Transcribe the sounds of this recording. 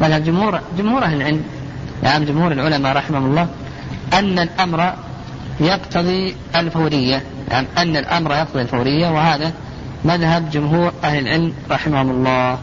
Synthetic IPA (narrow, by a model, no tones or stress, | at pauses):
maðhabd͡ʒʊmhuːɾd͡ʒʊmhuːɾʔaɦlɪlʕɪlm | ʔa̰ʔamd͡ʒʊmhuːɾɪlʕʊlamaɾˤɑħɪmahʊmʊlˤːɑː | ʔanːalʔamɾˤɑ | jɑqt̪ʰɑðˤi | ɪlfawɾɪjːa | a̰ʕmʔanːalʔa̰mɾˤɑjɑq̚t̪ɑðˤilfawɾɪjːawɪhaːða | maðɦabd͡ʒʊmɦuːɾʔahlɪlʕɪlmɾˤɑħɪmahʊmɑlˤːɑːh